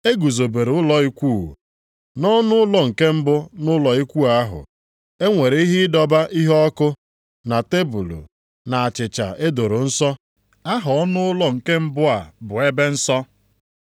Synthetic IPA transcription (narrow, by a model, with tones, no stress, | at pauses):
e˦ɡu˨zo˨be˨ɾʊ˦lɔ˦i˦kʷu˦˨ | nɔ˦nʊ˦ʊ˦lɔ˦ŋ̩˨ke˦m̩˦bʊ˦nʊ˦lɔ˨i˦kʷu˦a˨a˦ɦʊ̰˨ | e˦ŋʷe˨ɾe˨i˦ɦɪ˦ɪ˦dɔ˦ba˦ʔi˦ɦɔ˦kʊ˦ | na˨te˦bu˨lṵ˨ | na˨a˨t͡ʃɪ˨t͡ʃa̰˨e˦do˨ɾʊ˨n̩˦sɔ˦ | a˦ɦʊ˨ɔ˦nʊ˦ʊ˦lɔ˦ŋ̩˨ke˦m̩˦bʊ˦a˨bʊ˨e˦be˦n̩˦sɔ˦